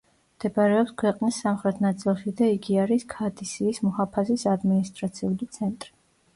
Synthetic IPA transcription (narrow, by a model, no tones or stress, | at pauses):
md̪̥ɛpaɾɛɔpskʰwɛqʼnisːamχɾɛt̪ʰnat̪sʼilˠʃid̪aiɡiaɾiskʰad̪ʰʼisiːsmɔhapʰasisad̪minist̪ʼɾat̪sʰiulit̪sʰɛnt̪ʼɾi